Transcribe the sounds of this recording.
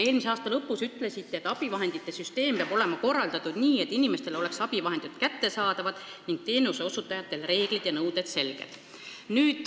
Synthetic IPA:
e̞ːlmiseɑːst̪ɑlɤpːˑusyt̪ːˑle̞sit̪ːeet̪ːˑɑb̥ivɑɦe̞nd̪̥it̪ːˑe̞syst̪e̞ːmpeɑbo̞le̞mɑko̞rːɑld̪ɑt̪ːud̪̥niːe̞t̪ːinime̞st̪e̞lo̞le̞ksɑb̥ivɑɦe̞nd̪it̪kæt̪ːe̞sɑːd̪̥ɑvɑd̪̥ | niŋɡ̥̚t̪e̞ːnuseo̞sut̪ːˑɑjɑt̪ːˑe̞lre̞ːɡ̥lid̪̥jɑnɤwd̪̥e̞d̪̥se̞lɡ̥ḛd̪̥ | nyːd̪̥

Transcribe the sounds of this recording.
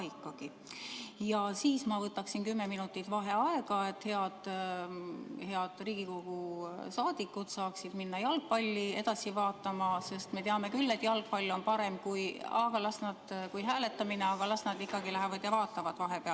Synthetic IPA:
ikːˑɑɡ̥i | jɑsiːsmɑvɤt̪ːˑɑksinkymːe̞minut̪ːˑit̪ˑvɑɦe̞ɑeɡ̥ɑe̞t̪he̞ɑd̪̥ | he̞ɑd̪̥riːɡ̥iko̞ɡ̥usɑːd̪̥ikːˑud̪̥sɑːksid̪minːɑjɑlɡ̥̚pɑlʲːie̞d̪ɑsivɑːt̪ːˑɑmɑse̞st̪me̞t̪eɑme̞kylːe̞t̪jɑlɡ̥̚pɑlʲːo̞npɑɾe̞mkujɑɡ̥ɑlɑsnɑd̪̥kujɦæːle̞t̪ːˑɑmineɑɡ̥ɑlɑsnɑd̪ikːˑɑɡilæɦævɑd̪̥jɑvɑːt̪ːˑɑvɑd̪̥vɑɦe̞peɑl

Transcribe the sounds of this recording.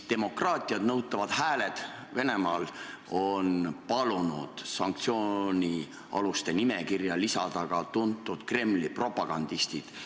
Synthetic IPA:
t̪e̞mo̞krɑːt̪ʲˑiɑd̪̥nɤwt̪ːˑɑvɑd̪̥hæːle̞d̪̥ | ve̞ne̞mɑːlo̞npɑlunud̪̥sɑŋk̚t̪sio̞ːnʲi | ɑ̰lust̪e̞nime̞kirjɑlisɑd̪̥ɑɡ̥ɑt̪unt̪ːˑud̪̥kre̞mlipro̞pɑɡ̥ɑnd̪ist̪id̪̥

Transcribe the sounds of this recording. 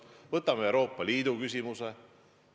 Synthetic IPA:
vɤt̪ːˑɑmeewɾo̞ːpːˑɑlʲiːd̪̥ukys̬ʲimuse

